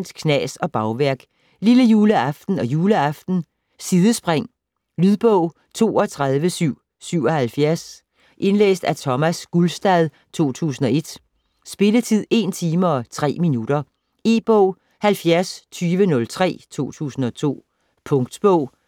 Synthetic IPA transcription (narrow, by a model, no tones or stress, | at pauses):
nd̥kʰnɛ̰sɒ̽b̥ɑ̈ʊʋæɐɡ̥ | liləjuːləɑ̈fd̥n̩ɒ̽juːləɑ̈fd̥n̩ | siðˠəsb̥ʁeŋ̰ | lyðˠb̥ɔʊ̰ | t͡sʰo̝̰ːɒ̽t͡sʰʁað̞ˠʋəsyʊ̰ | syʊ̰ɒ̽hælfjæɐs | ʔe̝nlḛːsd̥æt͡sʰɒ̽mæsɡ̥ulsd̥ɛð̞ˠ | t͡sʰo̝̰ːt͡sʰṵːsn̩ɒ̽e̝d̥ | sb̥e̝lət͡sʰið̰ˠe̝nt͡sʰiːmɐɒ̽t͡sʰʁɛ̰ːminud̥ɐ | e̝ːb̥ɔʊ̰ | hælfjæɐst͡sʰyːʋənɔ̽lt͡sʰʁɛ̰ːt͡sʰo̝̰ːt͡sʰṵːsn̩ɒ̽t͡sʰo̝̰ː | pʰɔ̽ŋɡ̥d̥b̥ɔʊ̰